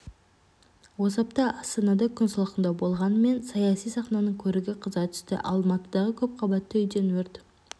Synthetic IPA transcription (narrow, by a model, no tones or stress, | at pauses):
wo̞sɑp̚t̪ɑʔɑst̪ɑnɑd̪ɑkʲʰʏnsəlˠəqənd̪ɑbo̞lˠʁɑnəme̞nsɑjɑsijsɑχnɑnəɴkʲʰɵɾɪɡʲɪqʰəzɑt̪ʰʏ̥ʃt̪ɪ̰ʔɑ̰lˠmɑt̪əd̪ɑʁəkʲʰɵp̚qʰɑbɑt̪ːəʏjd̪e̞nwɵɾt̪